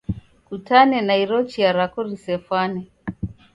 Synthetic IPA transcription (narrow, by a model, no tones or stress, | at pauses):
kutanɛnaiɾɔt͡ʃiaɾakɔɾisɛfwanɛ